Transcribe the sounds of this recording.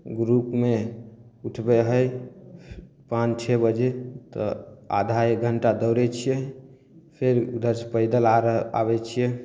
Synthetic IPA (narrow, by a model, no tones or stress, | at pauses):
ɡɾupmeuʈʰbeɦəj | pãt͡ʃt͡ʃʰebəd͡ʒet̪ɔ̰a̰d̪ʱaeɡʱəɳʈad̪əwɾɛt͡ʃʰijɛ | pʰeɾd̪əɾspəɪd̪əlaa̰bɛt͡ʃʰijɛ